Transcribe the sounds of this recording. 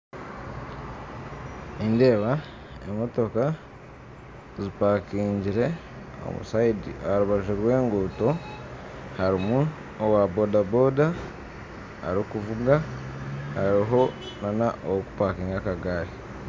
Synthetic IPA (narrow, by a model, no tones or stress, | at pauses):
inde̞ːβa | emo̞to̞ka | zipakiːɲɟiɾe̞ | o̰mṵsaidiaɾuβaʒeɾwe̞ːŋɡuːto̞ | haɾimu | owabo̞dabo̞da | a̰ɾikuvuɡa | haɾiɦo̞ | nanaʔowoku̥paːkiːŋɡakaɡaːɾi